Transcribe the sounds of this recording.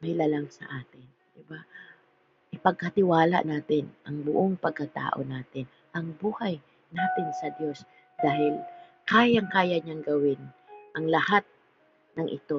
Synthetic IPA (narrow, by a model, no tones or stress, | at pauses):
mɪlalaŋsɐ̰ʔaːt̪ɪn | d̪̥ɪba | ʔɪpɐɡ̚kɐt̪ɪwaːlɐ̰ʔnaːt̪ɪnʔɐŋbʊʔoŋpɐɡ̚kɐt̪a̰ːʔo̞̰naːt̪ɪn | ʔɐŋbuːhaj | naːt̪ɪnsɐd̪jo̞s | d̪̥aːhɪlkaːjaŋkaːjaɲaŋɡɐwɪn | ʔɐŋlɐhat̪̚ | nɐŋʔɪ̰t̪o̞